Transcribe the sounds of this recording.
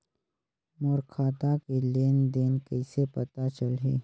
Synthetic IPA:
mɔːɾkʰaːt̪akeleːnd̪eːnkɛɪsepɐt̪at͡ʃəlɦeː

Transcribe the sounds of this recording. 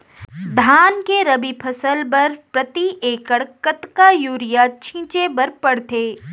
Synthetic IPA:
d̪ʱaːnkeɾɐbipʰɐsəlbɐɾpɾɐt̪iʔeːkəɽkət̪kajuːɾɪjat͡ʃʰĩːt͡ʃebɐɾpɐɽt̪eː

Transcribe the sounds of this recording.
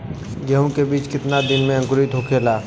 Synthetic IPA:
ɡɐɦũkebiːt͡ʃkɪt̪nad̪ɪnmẽɐ̃ŋkʊɾit̪ɦoːkʰeːlaː

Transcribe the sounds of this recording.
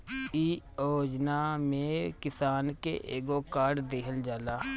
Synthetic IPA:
iːoːd͡ʒnaːmẽːkɪsaːnkḛʔeːɡoːkaːɖd̪eːkʰəld͡ʒaːlaː

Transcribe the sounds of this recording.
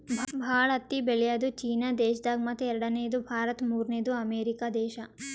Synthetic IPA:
bʱbʱaːɭɐt̪ːibeljaːd̪ut͡ʃiːnad̪eːʃd̪aːɡ̚mɐt̪ʰːeɛɾɐɽɐneːd̪ubʱaːɾɐt̪muːɾneːd̪uɐmeːɾikaːd̪ɛːʃɐ

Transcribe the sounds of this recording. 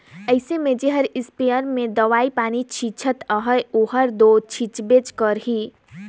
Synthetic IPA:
əɪsemẽd͡ʒeɦəɾɪspejəɾmẽd̪əʋaːipaːnit͡ʃʰit͡ʃʰət̪əɦəjuɦəɾd̪ot͡ʃʰit͡ʃbet͡ʃkəɾɦi

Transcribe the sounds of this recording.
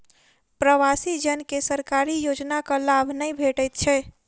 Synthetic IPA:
pɾəwasid͡ʒənkesəɾkaɾijod͡ʒnakəlabʱnəjbʱeʈəjt̪̚t͡ʃʰɛ

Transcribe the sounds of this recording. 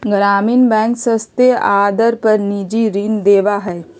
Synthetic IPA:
ɡɾaːmiːnbɛ̃ːŋksə̃st̪eaːd̪əɾpɐɾnid͡ʒiɾind̪eːʋaɦɛː

